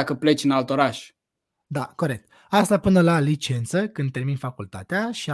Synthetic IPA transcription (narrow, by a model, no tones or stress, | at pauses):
akəplet͡ʃɨnalt̪o̞ɾaʃ | d̪ako̞ɾe̞k̚t̪ | ast̪apɨnəlalit͡ʃe̞nt̪səkɨnd̪̚t̪e̞rminfakult̪a̰t̪eaʃia